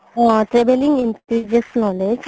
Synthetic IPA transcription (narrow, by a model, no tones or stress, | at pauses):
ʈɾebelĩŋɡinʈɾid͡ʒesnɔːled͡ʒ